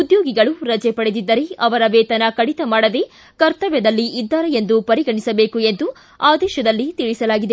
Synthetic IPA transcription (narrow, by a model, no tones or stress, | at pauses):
ud̪joːɡiɡɐɭuɾɐd͡ʒepɐɽed̪id̪ːɐɾeɐʋɐɾɐʋɛːt̪ɐnɐkɐɽit̪ɐmaːɽɐd̪e̞ | kɐɾt̪ɐʋjɐd̪ɐlːiid̪ːaːɾejend̪upɐɾiɡɐɳisɐbe̞ːkue̞nd̪u | aːd̪ɛːʃɐd̪ɐlːit̪iɭisɐlaːɡid̪e̞